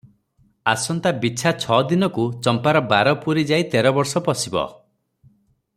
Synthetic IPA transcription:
asɔnt̪abit͡ʃʰat͡ʃʰɔd̪inɔkut͡ʃɔmpaɾɔbaɾɔpuɾid͡ʒait̪ɛɾɔbɔɾsɔpɔsibɔ̰

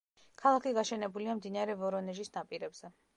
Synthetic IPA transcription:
kʰalˠakʰiɡaʃɛnɛbuliamd̪inaɾɛvɔɾɔnɛʒisnapʼiɾɛbz̥ɛ

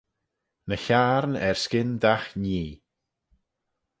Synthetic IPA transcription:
nəçaːɾnɛɹskɪndaxniː

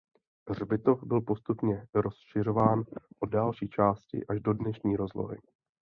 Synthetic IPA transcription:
rbɪt̪o̞fbɪlpo̞st̪upɲɛɾosʃɪr̝o̞vaːnʔoddalʃiːt͡ʃaːscɪ̰ʔaʒdo̞dnɛʃɲiːɾo̞zlo̞̰ɦɪ̰

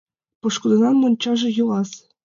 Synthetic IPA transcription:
pɤ̆ʃkud̪ɤ̆nɑmːonʲt͡ɕɑʒɤ̆julɑs

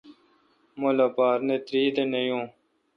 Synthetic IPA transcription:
molaːpaːɾnet̪ɾiːd̪enejũː

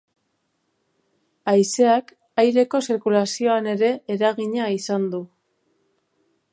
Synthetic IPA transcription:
ajse̞ak | ajɾe̞ko̞siɾkulasio̞ane̞ɾe̞ːɾaɣiɲaisand̪u

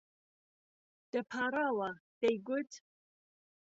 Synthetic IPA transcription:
d̥ɐpʰaːɾaːlad̥ejɡʷʊtʰ

